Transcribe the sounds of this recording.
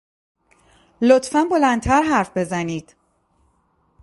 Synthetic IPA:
lot̪ʰfænbo̞lænt̪ʰæɾɦæɾfbe̞zæniːd̪̥

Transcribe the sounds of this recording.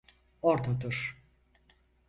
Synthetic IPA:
oɾt̪ʰad̪ɯɾ̥

